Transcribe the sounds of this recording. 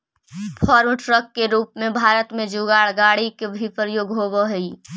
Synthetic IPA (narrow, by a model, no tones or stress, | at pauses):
pʰɔːɾmʈɾəkːeɾuːpmẽbʱaːɾət̪mẽd͡ʒuɡaːɽɡaːɽikebʱipɾəjoːɡɦoːbəɦɛi